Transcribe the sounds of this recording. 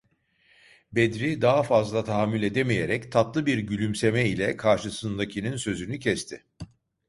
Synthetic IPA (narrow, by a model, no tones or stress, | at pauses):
bed̪ɾid̪aɦafazlˠat̪ʰaɦamːylʲe̞d̪emijeɾɛct̪ʰaplˠɯbiɾɟylʲymsemɛilʲɛkʰaɾʃɯsɯnd̪acʰininsø̞zynycʰɛst̪ʰɪ